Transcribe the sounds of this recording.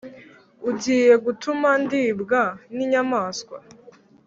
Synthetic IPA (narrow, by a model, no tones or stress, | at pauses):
uɟiːje̞ɡutumandiːbɡaniɲamaːskwa̰